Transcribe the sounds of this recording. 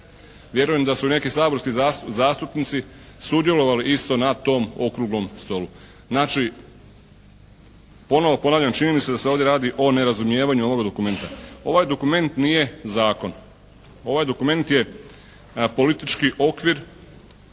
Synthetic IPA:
ʋje̞ɾuje̞md̪asune̞kisaːbo̞ɾskizaːst̪upnit̪si | sud̪je̞lo̞ʋaliʔist̪o̞nat̪o̞ːmo̞kɾuɡlo̞mst̪o̞lu | znaːt͡ʃi | po̞no̞ʋo̞po̞naːʋʎamt͡ʃinimise̞d̪aseoʋd̪je̞ɾaːd̪iʔo̞ne̞ɾazumje̞ːʋaɲuo̞ʋo̞ɡad̪o̞kume̞nt̪ao̞ʋajd̪o̞kume̞nt̪nije̞zaːko̞n | o̞ʋajd̪o̞kume̞nt̪je̞ | po̞lit̪it͡ʃkiʔo̞kʋiɾ

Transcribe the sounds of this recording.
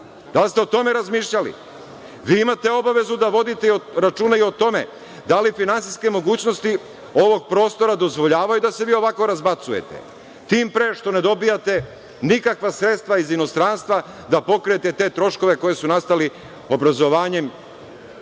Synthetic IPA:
d̪̥alst̪eo̞t̪o̞me̞ɾazmiːʃʎalḭ | ʋiːimat̪e̞o̞baʋe̞zud̪aʋo̞d̪it̪eioɾat͡ʃuːnaio̞t̪o̞mḛ | d̪alifinansiske̞mo̞ɡuːt͡ɕnost̪i | o̞ʋo̞ɡ̚pɾo̞ːst̪o̞ɾad̪o̞zʋo̞ʎaːʋajud̪ase̞ʋiːo̞ʋako̞ɾazbat̪suje̞̰t̪ḛ | t̪iːmpɾe̞ːʃt̪o̞ne̞d̪o̞bijat̪e̞ | nikakʋasɾet̪st̪ʋaizino̞st̪ɾaːnst̪ʋa | d̪apo̞kɾeet̪et̪e̞ːt̪ɾo̞ʃko̞ʋe̞ko̞je̞sunast̪ali | o̞bɾazo̞ʋaːɲe̞m

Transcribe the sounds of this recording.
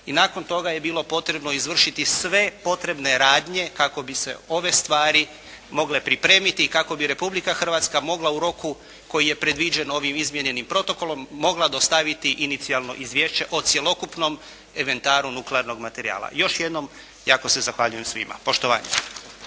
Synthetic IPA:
inaːko̞nt̪o̞ɡaje̞biːlo̞po̞t̪ɾe̞bno̞izʋr̩ʃit̪isʋe̞po̞t̪ɾe̞bne̞ɾaːd̪ɲe̞kako̞bise̞̰o̞ʋe̞st̪ʋaːɾi | mo̞ɡle̞pɾipɾe̞ːmit̪ikako̞biɾe̞publikaxr̩ʋat̪skamo̞ɡlˠauɾo̞ku | ko̞jije̞pɾe̞d̪ʋid͡ʑe̞no̞ʋimizmjeɲe̞nimpɾo̞t̪o̞ko̞lo̞mːo̞ɡlad̪ost̪aʋit̪iʔinit̪sialˠno̞̰ʔizʋjeʃt͡ɕe̞ʔot̪sje̞lo̞kupno̞m | e̞ʋe̞nt̪aːɾunukleaɾno̞ɡmat̪e̞ɾia̰ːlˠa̰jo̞ʃjed̪no̞m | jaːko̞se̞zaxʋaʎujemsʋḭma̰po̞ʃt̪oʋa̰ːɲḛ

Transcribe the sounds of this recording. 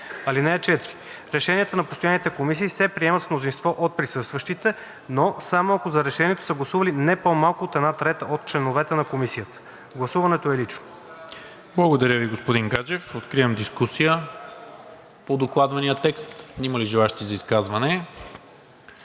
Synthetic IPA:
ɐlinɛɛt͡ʃɛt̪ɾi | ɾɛʃɛniət̪ənɐpost̪ojanit̪ɛkomisiːsɛpɾiɛmɐt̪fmnozinst̪vɔʔot̪̚pɾisɤst̪vəʃt̪it̪ɛ | nosamoɐkozɐɾɛʃɛniɛt̪o̥səɡlˠɐsuvɐlinɛpomalˠkʊot̪ɛd̪nat̪ɾɛt̪əʔot̪̚t͡ʃlɛnovɛt̪ɛnɐkomisijət̪ə̥ | ɡlˠɐsuvɐnɛt̪oɛlit͡ʃno̥ | blˠɐɡod̪ɐɾʲjəviɡospod̪iŋɡad͡ʒɛfot̪kɾiəmd̪iskusijə | pod̪oklˠad̪vɐnijət̪ɛkst̪iməliʒɛlˠaʃt̪izɐiskazvɐnɛ

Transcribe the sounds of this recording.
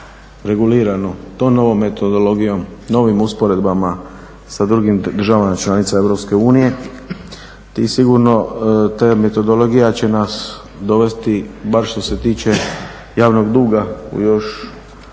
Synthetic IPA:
ɾe̞ɡuliːɾanot̪omno̞ʋo̞mːet̪od̪olo̞ɡijo̞mno̞ʋimuspo̞ɾe̞d̪bama | sad̪ɾuɡimd̪ɾ̩ʒaʋamat͡ʃlanit̪sae̞ʋɾo̞pske̞uːnije̞ | t̪isiɡuɾno̞t̪aːme̞t̪o̞d̪olo̞ɡijat͡ɕe̞nas | d̪o̞ʋe̞st̪ibaɾʃt̪o̞se̞t̪iːt͡ʃe̞ | jaːʋno̞ɡd̪uːɡaṵjo̞ʃ

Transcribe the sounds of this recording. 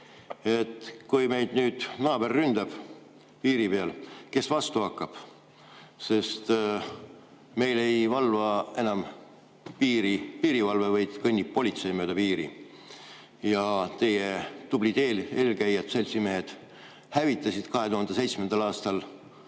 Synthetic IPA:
e̞t̪ˑkujme̞jd̪̥nyːd̪̥nɑːb̥e̞rːynd̪̥ɑb̥ | piːɾipe̞ɑlke̞svɑst̪uɑkːˑɑb̥ | se̞st̪ | me̞jle̞jvɑlvɑe̞nɑm | piːɾipiːɾivɑlvevɤjd̪̥kɤnʲːippːo̞lit̪se̞jmøːd̪̥ɑpiːɾḭ | jɑt̪e̞jet̪ublid̪e̞ːleːlkæjːɑt̪se̞lʲsime̞ɦed̪̥ | hævit̪ˑːɑsid̪̥kɑɦe̞t̪uhɑnd̪̥ese̞jt̪smend̪̥ɑlɑːst̪ɑl

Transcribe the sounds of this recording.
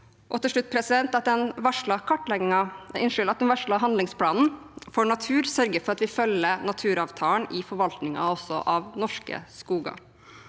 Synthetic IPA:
ʔɔt̪ʰɛʂɭʉt̪̚ːpʰɾɛsɪd̪ɛnt̪ɑt̪̚d̪ɛnʋɑʂɭɑkʰɔʈːlɛɡɪŋɑɪnʂʏlɑt̪̚d̪ɛnʋɑʂɭɑɦɑnd̪lɪŋspʰlɑːnn̩foːɳɑt̪ʰʉːɾsœɾɡəfɔɾɑt̪ʋɪfœlːənɑt̪ʰʉːɾɑːʋt̪ʰɑːnɪfɔɾʋɑlt̪nɪŋɑ̰ɔsːɔ̰ʔɑʋnɔʂkə̰skuːɡɑ̰

